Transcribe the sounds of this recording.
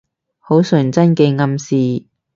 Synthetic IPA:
ho˨˥wsɵ˨˩nt͡sɐ˥nkeː˧ŋɐ˧msiː˨

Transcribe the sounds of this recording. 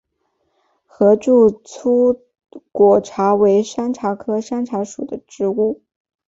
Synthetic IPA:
xɤ˧˥ʈ͡ʂu˥˩t͡sʰu˥ | kwɔ˨˩ʈ͡ʂʰa˧˥we˧˥ɪʂa˥nʈ͡ʂʰa˧˥kʰɤ˥ʂa˥nʈ͡ʂʰa˧˥ʂu˨˩d̪ə˦ʈ͡ʂɻ̩˧˥u˥˩

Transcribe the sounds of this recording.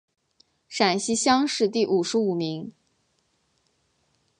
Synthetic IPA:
ʂa˨˩nɕi˥ɕjɑ˥ŋʂɻ̩˥˧t̪i˥˩ʔu˨˩ʂɻ̩˧˥u˨˩mi˧˥ŋ

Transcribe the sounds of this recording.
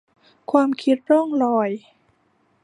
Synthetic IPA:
kʰwaː˧mkʰi˦˥t̪̚ɾɔ˥˩ŋlɔː˧˩j

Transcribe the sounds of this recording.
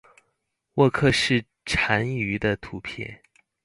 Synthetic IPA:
wɔ˥˧kʰɤ˥˧ʂɻ̩˥˩ | ʈ͡ʂʰa˧˥ny˧˥d̪ə˧t̪ʰu˧˥pʰjɛ̰˥˩

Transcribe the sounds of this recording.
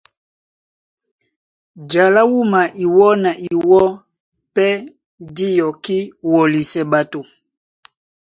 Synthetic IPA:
d͡ʒa˨la˦wu˦ma˨ʔi˨wɔ˦na˨ʔi˨wɔ˦ | pɛ˦ | di˦jɔ˨ki˦wɔ˨li˨sɛ˨ba˨tu˨

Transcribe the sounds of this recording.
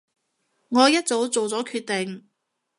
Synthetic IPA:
ŋɔː˨˧jɐ˥t̚t͡so˨˥wt͡so˨wt͡sɔː˨˥kʰyː˧t̪̚e˨ŋ

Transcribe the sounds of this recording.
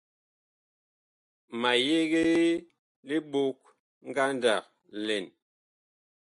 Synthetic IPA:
ma˨je˦ɣe˦ | li˦ɓo˦k̚ | ŋ̩˦ɡa˦nda˨k̚ | lɛ˨n

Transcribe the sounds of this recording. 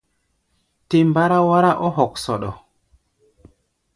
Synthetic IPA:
te˨mba˦ɾa˦wa˦ɾa˦ʔɔ˦ɦɔ˨ksɔ˨ɗɔ˨

